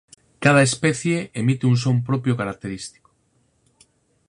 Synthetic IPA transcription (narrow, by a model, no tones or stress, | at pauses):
kað̞aespeθjeemit̪euns̬ompɾopjokaɾak̚t̪e̞ɾist̪i̥ko̥